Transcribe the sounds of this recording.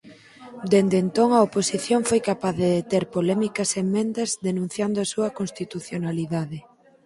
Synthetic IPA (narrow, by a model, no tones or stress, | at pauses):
d̪end̪ent̪oŋɐoposiθjoŋfojkapaððeðet̪eɾpolɛmikɐsemmẽnd̪ɐzðenũn̟θjand̪oɐsuɐkonst̪it̪uθjonaliðaðɪ